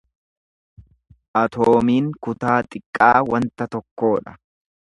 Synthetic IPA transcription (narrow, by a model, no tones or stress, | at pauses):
ʔɐt̪ʰoːmiːŋkʊt̪aːt̪ʼɪkʼːaːwɐnt̪ɐt̪ɔkːo̞ːᶑɐ̥